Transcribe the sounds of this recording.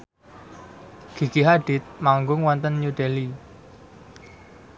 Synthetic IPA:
ɡ̥i̤ɡ̥iɦaɖ̥ɪ̤t̪̚maŋɡʊŋwɔnt̪ənjuɖ̥eli

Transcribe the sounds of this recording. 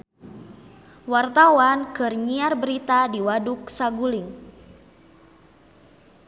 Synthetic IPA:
wart̪awankɨrɲiarbəɾit̪adiwaduksaɡulɪŋ

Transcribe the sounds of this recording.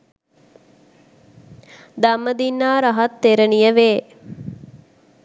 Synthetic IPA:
d̪amːəd̪inːaːɾaɦɐt̪ːeɾənijəʋeː

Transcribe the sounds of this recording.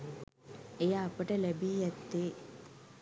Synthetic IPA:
ejaːpəʈəlæbiːjɛt̪ːeː

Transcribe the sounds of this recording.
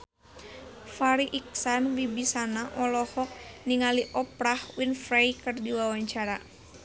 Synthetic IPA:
faɾiʔiksanwibisanaʔɔlɔhɔk̚niŋaliʔɔpɾahwinfɾajkɨrdiwawaɲt͡ʃaɾa

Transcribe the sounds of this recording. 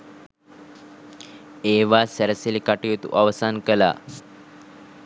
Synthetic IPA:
eʋasəɾəsilikaʈujet̪ṵʔaʋsankəla̰

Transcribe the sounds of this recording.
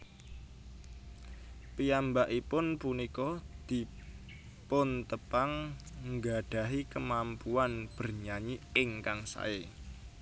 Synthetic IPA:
pijambaʔipʊnpunikɔd̪̥i̤ | pʊnt̪əpaŋŋɡaɖ̥a̤ɦikəmampuanb̥ərɲaɲiɪŋkaŋsa̰e

